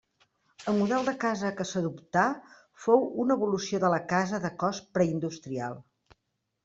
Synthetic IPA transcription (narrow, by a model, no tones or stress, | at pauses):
əlˠmuðɛlˠd̪əkazəkəsəðupt̪a | fowunəβulusioðələkazəðəkɔspɾəind̪ust̪ɾia̰lˠ